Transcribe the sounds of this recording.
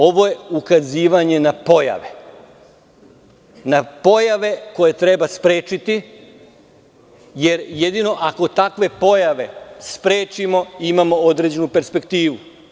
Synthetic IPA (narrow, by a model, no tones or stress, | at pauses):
o̞ʋo̞je̞ukaziːʋaɲe̞napo̞ja̰ʋe̞ | napo̞jaʋe̞ko̞je̞t̪ɾe̞baspɾe̞ːt͡ʃit̪i | je̞ɾje̞d̪ino̞ʔako̞t̪akʋe̞po̞jaʋe̞spɾe̞ːt͡ʃimo̞imamo̞od̪ɾe̞d͡ʑe̞nupe̞ɾspe̞kt̪iːʋu